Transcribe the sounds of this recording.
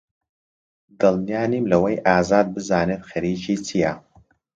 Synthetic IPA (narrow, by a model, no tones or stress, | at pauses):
dɨlˠnijaːniːmlɐwɐjʔaːzaːd̪̚bɨzaːneːt̪xɐɾiːt͡ʃʰiːt͡sʰija